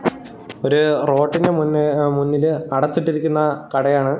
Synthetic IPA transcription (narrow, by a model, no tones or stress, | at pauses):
o̞ɾuro̞ːʈːinde̞mnmunːilɐɽɐt̪ːiʈːiɾikʲːunːɐkɐɽɐjaːɳɨ